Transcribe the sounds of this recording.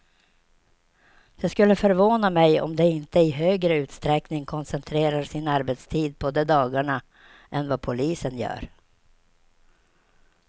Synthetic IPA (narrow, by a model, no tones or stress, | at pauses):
d̪̥ɛskɵlːəfœɾvoːnamɛjɔ̰md̪ɛɪnt̪əɪɦøːɡɾəʉ̟ːt̪st̪ɾɛknɪŋkʰɔnsɛnt̪ʰɾeːɾaʂɪnaɾbɛt̪st̪ʰiːd̪̚pʰɔd̪ɛd̪ɑːɡaɳa | ʔɛnvapʰʊliːsənjœ̰ːɾ